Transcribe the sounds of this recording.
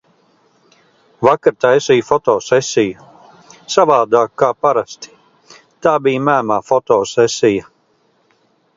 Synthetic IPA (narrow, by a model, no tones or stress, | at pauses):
vakaɾt̪aɛsijfɔt̪ɔːsɛsʲiju | savaːd̪aːkːaːpaɾast̪i̥ | t̪aːbijmæːmaːfɔt̪ɔːsɛsʲija